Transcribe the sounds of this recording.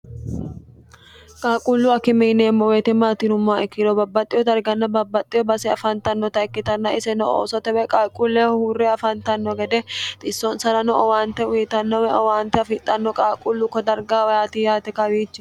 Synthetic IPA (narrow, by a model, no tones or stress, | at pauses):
kʼaːkʼulːʊɐkːɪmiːneːmːɔwet̪ɛmːaːt̪iːnʊmːaːɛkːɪɾɔbɐbːɐt̪ʼːɪjɔd̪ɐɾɡɐnːɐbɐbːɐt̪ʼːɪjɔbɐsɛɐfɐnt̪ɐnːɔt̪ɐɛkːɪt̪ɐnːɐʔɪsɛnɔo̰ːsɔt̪ɛwɛkʼaːkʼːulːɛhuːrːɛɐfɐnt̪ɐnːɔɡɛd̪ɛt̪ʼɪsːɔnsɐnɐnɔʔɐwaːnt̪ɛwʊjɪt̪ɐnːɔwɛɔwaːnt̪ɛɐfɪt̪ʼːɐnːɔkʼaːkʼulːʊkɔd̪ɐɾɡaːwɐjaːt̪iːjaːt̪ɛkɐwiːt͡ʃːɪ̥